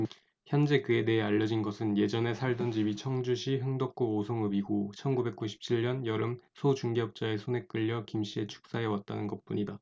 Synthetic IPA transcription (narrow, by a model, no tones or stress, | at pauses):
çjʌnd͡ʑe̞kɯe̞de̞ɦeaʎːʌd͡ʑinɡʌsʰɯnje̞d͡ʑʌne̞sʰaɭdond͡ʑibit͡ɕʰʌŋd͡ʑuɕʰiɦɯŋdʌk̚k͈oosʰʌŋɯbiɡot͡ɕʰʌnɡube̞k̚k͈uɕʰi̥p̚t͡ɕʰiɭɲʌnjʌɾɯmsʰot͡ɕuŋɡeʌp̚t͡ɕ͈ae̞sʰone̞k͈ɯʎːʌkimɕ͈ie̞t͡ɕʰu̥k̚s͈aɦewat̚t͈anɯnɡʌt̚p͈uɲida